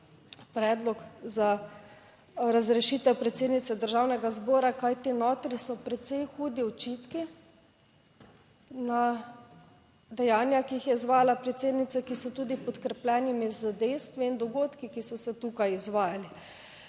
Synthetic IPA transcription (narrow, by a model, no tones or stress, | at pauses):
pɾɛːd̪lɔkza | ɾazɾɛʃiːt̪ɛwpɾɛt̪seːd̪nit̪sɛd̪əɾʒawnɛɡazbɔːɾakajt̪enoːt̪ɾisɔpɾɛt̪sɛjxuːd̪iɔt͡ʃit̪ki | na | d̪ɛjaːnjakiixjɛizʋaːjalapɾɛt̪seːd̪nit̪sɛkisɔt̪uːd̪ipɔt̪kɾɛplɛːnimizəd̪ɛjst̪ʋiind̪ɔɡoːt̪kikisɔsɛt̪uːkajizʋaːjali